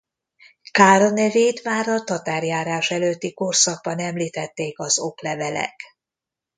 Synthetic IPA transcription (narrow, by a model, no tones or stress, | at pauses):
kaːɾɒnɛveːt̪maːɾɒt̪ɒt̪aːrjaːɾaːʃɛløːt̪ːiko̞rsɒɡ̚bɒnɛmliːt̪ɛt̪ːeːkɒzo̞klɛvɛlɛ̰k